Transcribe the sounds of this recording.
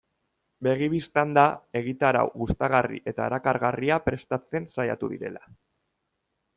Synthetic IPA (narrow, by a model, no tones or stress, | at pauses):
be̞ɣ̞iβist̪and̪ae̞ɣ̞it̪aɾa̰wɣust̪aɣarḭʔe̞t̪aeɾakaɾɣariapɾe̞st̪at͡se̞nsaja̰t̪uðḭɾe̞̰la